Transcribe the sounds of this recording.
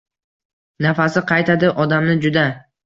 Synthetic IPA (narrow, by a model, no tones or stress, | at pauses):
nafasɪqʰɑjt̪ʰad̪ɪʔɒd̪amnɪd͡ʒʊd̪a